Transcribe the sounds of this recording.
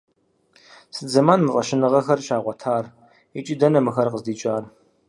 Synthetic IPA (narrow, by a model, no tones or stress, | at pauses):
sɨd͡zɐmaːnmɨrʼɐ̰ʃɪnɨʁɐxɐrɕaːʁʷɔtʰaːr | it͡ʃʼidɐnɐmɨxɐrqəzdiːt͡ʃʼaːr